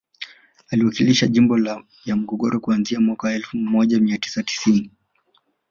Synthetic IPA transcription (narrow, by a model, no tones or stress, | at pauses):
aliwakiliʃaʄimbɔl | jam̩ɡɔɠɔɾɔkuanziamwakawaɛlfumɔʄamiati̥sati̥sini